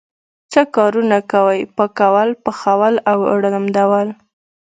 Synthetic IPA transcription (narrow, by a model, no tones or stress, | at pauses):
t͡səkɑɾunakawəjpəkawalpəxawalawə̰ɽəlamd̪awal